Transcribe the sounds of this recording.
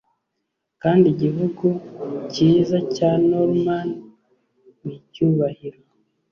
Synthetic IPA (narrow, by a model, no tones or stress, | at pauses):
kaːndiɟiβuɡuciːzacanoɾman | nicuːβahiɾo